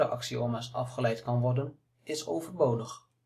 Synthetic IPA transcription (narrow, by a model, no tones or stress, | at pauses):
əʔɑ̰ksioːmasɑ̰fχəlɛjtkɑnʋɔrdən | ɪso̰wvərbowdəχ